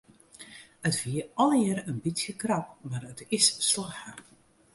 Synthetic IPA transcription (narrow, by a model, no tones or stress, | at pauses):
ətviəɔlˠjəɾənbitsjəkrapmarətɪsːlaxə